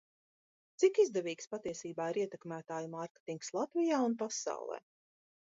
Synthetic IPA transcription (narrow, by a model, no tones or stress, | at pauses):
t̪sikizd̪ɛviːkspat̪iɛsiːbaːiɾiɛt̪ɛkmæːt̪aːjumaɾkʲe̥t̪iŋkslˠat̪vijaːunpasa̰w̰lˠɛ̰ː